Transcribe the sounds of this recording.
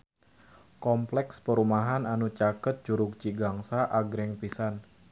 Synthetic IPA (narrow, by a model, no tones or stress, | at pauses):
kɔmplɛkspəɾumaɦananut͡ʃakət̪̚d͡ʒuɾuk̚t͡ʃiɡaŋsaʔaɡɾɛŋpisan